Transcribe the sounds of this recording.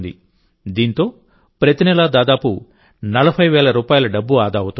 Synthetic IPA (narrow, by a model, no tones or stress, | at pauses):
d̪ḭ | d̪iːnt̪o̞ː | pɾɐt̪inɛlad̪aːd̪aːpu | nɐlɐbʰʱɐjʋɛːɭɐɾuːpaːjɐlɐɖɐbːuaːd̪aːwut̪u